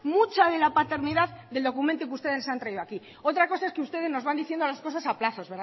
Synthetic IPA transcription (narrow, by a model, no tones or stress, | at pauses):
mut͡ʃað̞e̞lapat̪e̞ɾniðaððe̞ld̪o̞kument̪ukust̪e̞ðesant̪ɾaiðoaki | o̞t̪ɾako̞sae̞skeust̪e̞ð̞e̞zno̞zβand̪iθje̞nd̪olasko̞s̬asaplaθo̞zβeɾ